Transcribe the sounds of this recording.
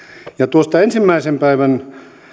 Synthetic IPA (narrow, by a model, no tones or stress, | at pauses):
jɑt̪uost̪ɑensimːæisempæiʋæn